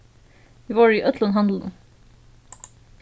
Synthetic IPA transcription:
ʋiːʋɑːɹiːʔœt̪ʰlənɦɑnd̪l̩n̩

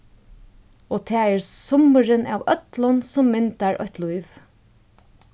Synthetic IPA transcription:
oːt̪ʰæːɛːɹsʊməɾənʔæ̰ːʋœt̪lɔnsɔmːɪnt̪aɹɔ̰ht̪lujʋ

